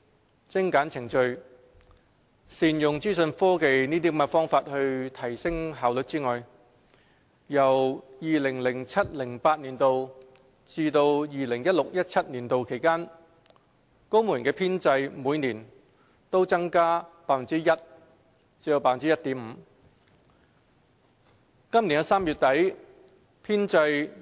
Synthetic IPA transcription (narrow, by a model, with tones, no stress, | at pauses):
t͡sɪ˥ŋkaː˨˥nt͡sʰɪ˨˩ŋt͡ʃɵ˧ɥ | siː˨njʊ˨˩ŋt͡siː˥sɵ˧nfɔː˥ke˧jniː˥t̪i˥mɛ˧fɔː˥ŋfaː˧t̚hɵ˧ɥt̪ʰɐ˨˩jsɪ˥ŋɦaː˨wlɵ˨˧t̚t͡siː˥ŋɔː˨j | jɐ˨˩wjiː˨lɪ˨˩ŋlɪ˨˩ŋt͡sʰɐ˥t̚lɪ˨˩ŋpaː˧t̚niː˨˩nt̪o˨˧w | t͡siː˧t̪o˧wjiː˨lɪ˨˩ŋjɐ˥t̚lʊ˨k̚jɐ˥t̚t͡sʰɐ˥t̚niː˨˩nt̪o˨wkʰe˨˩jkaː˥n | ko˥wmu˨˩nkɛː˧pʰiː˥nt͡sɐ˧jmuː˨˧jniː˨˩n | t̪o˥wt͡sɐ˥ŋkaː˥paː˧t̚fɐ˨˩nt͡siː˥jɐ˥t̚ | t͡si˧˥o˧wpaː˥fɐ˨˩nt͡siː˥jɐ˥t̚t̪iː˨˥m̩ː˨˧ | kɐ˥mnli˨˩nɐ˧saː˥mjyː˨˧t̚t̪ɐ˨˥j | pʰiː˥nt͡sɐ˧j